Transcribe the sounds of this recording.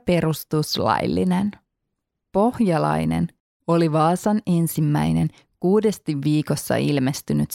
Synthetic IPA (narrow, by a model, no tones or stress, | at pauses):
pe̞ɾust̪uslɑ̰jlːḭnen | po̞hjɑlɑ̰jne̞̰n | o̞liʋɑːsɑne̞nsimːæjne̞n | kuːde̞st̪iʋːiːko̞sːɑ̰ilme̞st̪ynyt̪